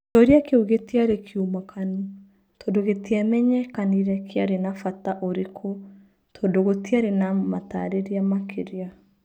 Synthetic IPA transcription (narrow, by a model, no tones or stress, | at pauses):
t͡ʃɔɾiakeuɣetiaɾekʰiumakʰanu | toːndoɣetiamɛɲɛkaniɾɛkʰeaɾenafataʔoɾekʰo | tʰodoɣotiaɾenamata̰ɾeɾiamakʰeɾea